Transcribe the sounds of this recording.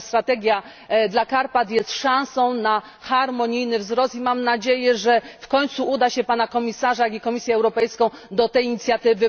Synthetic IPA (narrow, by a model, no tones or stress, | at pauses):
st̪ɾat̪ɛɡʲja | d̪lakaɾpat̪jɛst̪ʂãw̃sɔ̃w̃na | xaɾmɔɲijnɘvzɾɔst̪imamnad͡ʑejɛʐɛfkɔɲt̪suʔud̪aɕɛpanakɔmʲisaʐajaɡʲikɔmʲisʲjɛːwɾɔpɛjskɔ̃w̃d̪ɔt̪ɛjiɲit̪sʲjat̪ɘvɘ